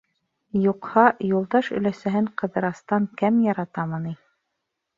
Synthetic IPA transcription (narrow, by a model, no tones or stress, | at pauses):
juqhɑjulˠd̪ɑʃɵ̆læsæɦɘɴqɤ̆ðɤ̆ɾɑst̪ɑŋkæmjɑɾɑt̪ɑmɤni